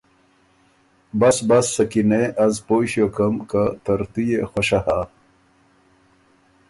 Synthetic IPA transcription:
bɐsbɐsːɐkineʔɐzpoːɕjokɐmkat̪ɐɾt̪ujexoɕaha

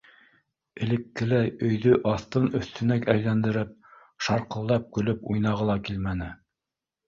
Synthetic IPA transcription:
ɘ̆lɘ̆kːɘ̆læjɵ̆jðɵʔɑθt̪ɤnɵ̆θt̪ɵ̆nækæjlænd̪ɘ̆ɾɘp̚ | ʃɑɾqɤ̆lˠd̪ɑp̚kɵ̆lɵpujnɑʁɤlˠɑkilmænɘ

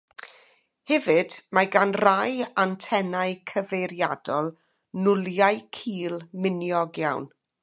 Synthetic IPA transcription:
hɛvɨdmaɡanrajantʰɛnaɨkʰəvejɾja̰d̥ɔlˠ | nʊlˠjajkʰiːlˠmɪnjɔɡjawn

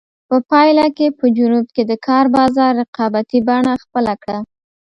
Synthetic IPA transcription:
pəpɑjlakepəd͡ʒunub̚ked̪əkʰɑɾbɑzɑɾːɪqɑbat̪ibaɳaxpəlakɽa

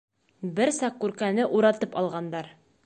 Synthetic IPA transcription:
bɘɾsɑqːʉɾkænɘʔuɾɑt̪ɤpɒlˠʁɑnd̪ɑɾ

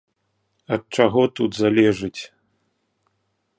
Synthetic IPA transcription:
ɐt̪̚t͡ʂaɣɔt̪ud̪zalʲɛʐɨt͡sʲ

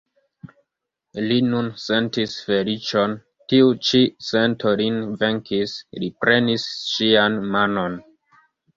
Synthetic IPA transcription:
linunse̞ntisfe̞lit͡ʃo̞n | tiut͡ʃisentolinve̞ŋkislipɾe̞nisʃianmano̞n

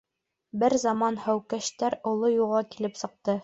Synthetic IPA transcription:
bɘɾzɑmɑnhæwkæɕt̪æɾŏlˠojuʁɑkilɘpsɤ̆q̚t̪ɤ

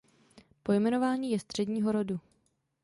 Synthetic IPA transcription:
po̞jmɛno̞vaːɲiːjɛst̪r̝̥ɛdɲiːɦo̞ɾodu

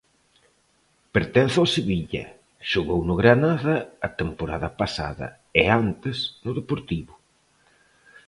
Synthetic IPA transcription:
peɾt̪ɛnθawseβiʎɐ̰ | ʃʊɣownʊɣɾanaðɐːt̪empoɾaðɐpasa̰ðɐ̰ | ɪant̪ɪsnʊðepoɾt̪iβʊ

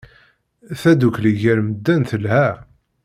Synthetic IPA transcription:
θæd̪ukliʝæɾməd̪ːænθəlhæ

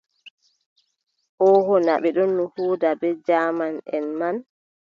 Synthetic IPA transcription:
ʔɔhɔnaɓɛɗɔnːuhuːdabɛd͡ʒaːmanɛnman

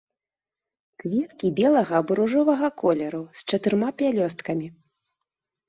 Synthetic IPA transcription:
kvʲɛt̪kʲibʲɛlˠɐɣɐːbuɾuʐɔvɐɣɐkʰɔlʲɛɾust͡ʂɐt̪ɨɾmapʲjalʲɔst̪kɐmʲi

